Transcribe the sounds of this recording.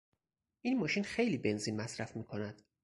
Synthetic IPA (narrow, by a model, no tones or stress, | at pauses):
ʔiːnmɒːʃiːnxejliːbe̞nzinmæsɾæfmiːkʰonæd̪̥